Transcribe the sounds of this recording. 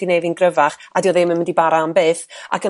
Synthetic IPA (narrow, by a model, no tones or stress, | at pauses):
d̥inejðɨnɡrəvaχadiɔðɪmənməndibaɾambeːθa̰kʰə